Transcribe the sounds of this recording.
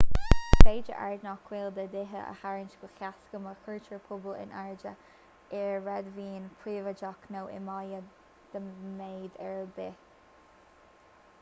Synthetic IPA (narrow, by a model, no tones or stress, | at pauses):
ɹeːd͡ʒə̰ʔa̰ɹd̪nɔkʰwɪld̪əd̪ɪɦə̰ʔə̰haɹɪnt͡ʃɡəxjaskəməxʰəɹt͡ʃəɹpʰʊbəlɪ̰nʔaɹd͡ʒə | ɛɹɹɛd̪viːnpʰɹiːvəd͡ʒɔknoːʔɪ̰majə | d̪̥əmeːd̪ɛɹbɪ